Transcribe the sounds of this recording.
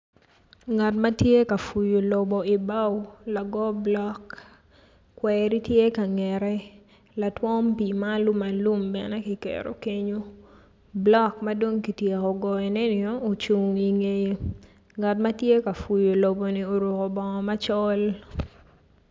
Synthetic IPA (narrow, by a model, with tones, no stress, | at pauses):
ŋa˨tma˦tje˦ka˨fu˨jo˨lo˨bɔ˨i˨ba˦wla˨ɡɔ˦blɔ˦kː | wɛ˨ɾi˦tje˦ka˨ŋɛ˨ɾɛ˦ | la˨twɔ˦mpi˨ma˦lu˦ma˨lu˦mbɛ̰˨nɛ˦ki˨kḛ˨ɾo̰˨ke˦ɲo˦ | blɔ˦kma˦do˦ŋki˨tje˨ko˨ɡɔ˨ɛ˨nɛ˦nɪɔ˦o˨t͡ʃu˨ŋi˨ŋe˦jo˨ | ŋa˨tma˦tje˦ka˨fu˨jo˨lo˨bo˨ni˨o˨ɾu˨ko˨bɔ˨ŋɔ˨ma˦t͡ʃɔ˦l